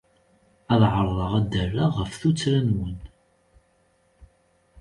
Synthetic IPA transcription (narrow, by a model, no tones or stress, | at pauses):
æðʕəɾˤðˤɑʁæd̪ərːaʁəfθut͡sːɾænwən